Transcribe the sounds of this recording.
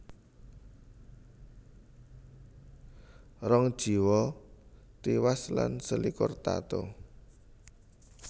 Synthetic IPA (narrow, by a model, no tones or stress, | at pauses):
rɔŋd̥ʒ̥i̤wɔ | t̪iwaslansəlikʊrt̪a̰t̪o